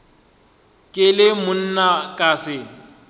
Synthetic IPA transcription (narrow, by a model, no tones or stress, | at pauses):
kʼɪlɪmʊn̩nakʼaːsɪ